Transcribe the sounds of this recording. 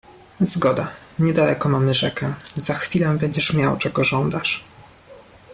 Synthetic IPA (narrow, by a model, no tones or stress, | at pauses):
zɡɔd̪aɲɛd̪alɛkɔmamɘʐɛkɛz̥axfʲilɛbɛɲd͡ʑɛʂmʲjawt͡ʂɛɡɔʐɔnd̪aʂ